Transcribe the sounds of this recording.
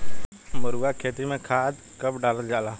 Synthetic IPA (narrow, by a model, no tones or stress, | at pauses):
məɾuɡakʰeːt̪imẽkʰaːd̪ | kəpɖaːləld͡ʒaːlaː